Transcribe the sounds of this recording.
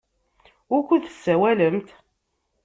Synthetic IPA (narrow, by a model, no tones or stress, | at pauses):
ʊkʷːuθə̥sːæwæləmt̪